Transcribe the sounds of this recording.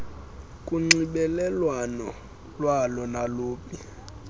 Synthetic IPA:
kʼuŋ͡ǀiɓɛlɛlwanɔ | lwalɔnaloːpʼi

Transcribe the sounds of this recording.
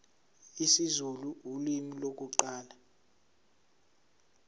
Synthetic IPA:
isizuluulimilok̬uǃaːla

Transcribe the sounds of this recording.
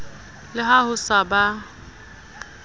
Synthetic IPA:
lɪɦahʊsaba

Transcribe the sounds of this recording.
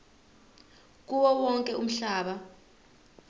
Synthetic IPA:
k̬uwɔwɔŋkʼɛum̩ɬaːɓa

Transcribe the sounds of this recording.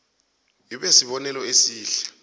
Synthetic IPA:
iɓesiɓɔnɛlɔesiːɬɛ̥

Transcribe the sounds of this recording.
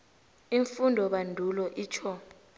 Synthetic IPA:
iɱfundʱɔɓandʱulɔʔiːt͡ʃʰɔ

